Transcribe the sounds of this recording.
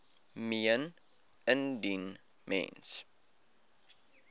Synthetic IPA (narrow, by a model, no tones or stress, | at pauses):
miən | əndin | mɛ̰ns